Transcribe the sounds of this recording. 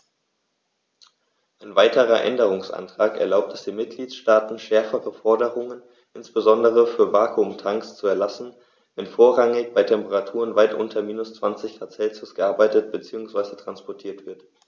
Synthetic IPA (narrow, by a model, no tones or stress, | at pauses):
ʔaɪnvaɪtəʁɐʔɛ̰ndəʁ̞ʊŋsʔa̰ntʁ̥aːkɛɐlaʊp̚tɛsd̥eːnmɪt̚ɡ̥liːtʃtaːtn̩ʃɛɐfəʁəfɔɐdəʁʊŋən | ʔɪnsb̥əzɔndəʁ̞əfyːɐvaːkʰumtʰaŋkst͡suɛɐlasn̩ | vɛnfoːɐʁaŋɪçb̥aɪtʰɛmpəʁatʰuːʁənvaɪtʔʊ̰ntʰɐmiːnʊst͡sv̥ant͡sɪçɡ̥ʁaːt͡sɛlzʊsɡ̥əʔaɐbaɪtət̚b̥ət͡siːʊŋsv̥aɪzətʁ̥anspɔɐtʰiːɐtv̥ɪɐt